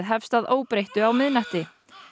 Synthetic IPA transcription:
ðɦɛfst̪aðoːwpɾejht̪ʏawmɪðnaht̪ɪ

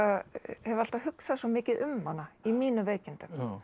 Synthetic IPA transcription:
ahɛval̥t̪ahʏksaðswɔmɪːcɪðʏmːanːaimiːnʏveːjcɪnt̪ʏm

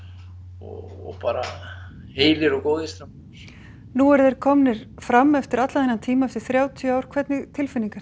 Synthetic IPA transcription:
ɔ̰ɔ̰paːɾa | heːjlɪɾɔkoːwðɪst̪am | nuɛɾðejɾkʰɔmnɪɾ̥fɾamːɛft̪ɪɾat̪laðɛnːant̪ʰiːmaɛft̪ɪɾ̥θɾjaːwt̪ʰjʏaːwɾ̥kʰvɛt̪nɪt̪ʰɪlfɪniŋkaɾ̥

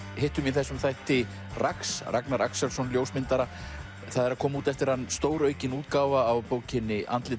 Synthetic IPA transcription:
heht̪ʏmiθɛsːʏmθajht̪ɪ | rʔaksra̰knaɾʔa̰ksːɛlsɔnljowsmɪnt̪aɾa | θaðɛɾakʰɔːmauːt̪ɛft̪ɪɾhanːst̪oːwɾœɥcɪnuːt̪kawvaːwpoːwcɪnːɪʔa̰nt̪lɪ

